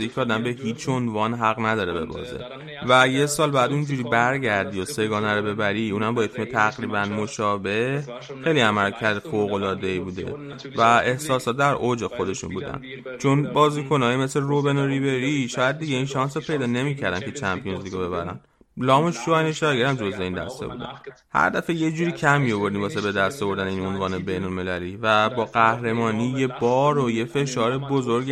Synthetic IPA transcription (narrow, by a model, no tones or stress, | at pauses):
icʰɛɒːd̪æmbe̞hiːt͡ʃʰo̞nvɒnɦæɣnæd̪ɒːɾebe̞̰bɒ̰ːzḛ | væje̞sɒːlbæːd̪und͡ʒuɾiːbæɾɟæɾd̪ijose̞ɡɒːnæɾobe̞bæɾiuːnæmbɒːjefʰimet̪ʰæɣɾiːbænmo̞ʃɒːbe̞h | xe̞jliæmæɾcʰæd̪foɣo̞lɒːd̪e̞ibuːd̪e̞̰ | væe̞hsɒːsɒt̪̚d̪æɾʔod͡ʒe̞xo̞d̪e̞ʃṵnbuːd̪æ̰n | t͡ʃʰo̞nbɒːziːkʰo̞nɒːjime̞sleɾobenoɾibe̞ɾiʃɒːjæd̪̚d̪iɟeinʃɒnsopʰe̞jd̪ɒːne̞miːcʰæɾd̪æncʰe̞t͡ʃʰæmpʰijonzlikobe̞βæɾæ̰n | lɒːmoʃɒjneʃɒɡeɾæmd͡ʒo̞zveind̪æ̰st̪ʰḛbṵd̪æ̰n | hæ̰ɾd̪æfeje̞d͡ʒuːɾiːcʰæmːijo̞vo̞ɾd̪imbɒːsebe̞d̪æst̪ovo̞ɾd̪æneiːno̞nvɒːnebe̞jnolme̞læliːvæbɒːɢæhɾe̞mɒːniːje̞bɒːɾoje̞fe̞ʃɒːɾebozoɾɡ